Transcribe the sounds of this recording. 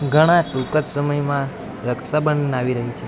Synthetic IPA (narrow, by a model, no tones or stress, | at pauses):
ɡʱəɽ̃ãʈukət̪səməjmã | ɾəksabənnaʋiɾəɦit͡ʃʰe